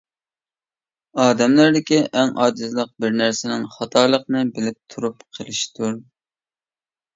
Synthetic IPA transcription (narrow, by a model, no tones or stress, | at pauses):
ɑːd̪ɛmlæɾd̪ɪkʲiʔɛŋɑ̰ːd͡ʒ̪ɨzlˠəq̚bɪɾnæɾsɪnɪŋχɑt̪ʰɑːlˠəqnɨbɪlɪp̚t̪ʰuɾupqʰəlˠɨʃt̪ʰuɾ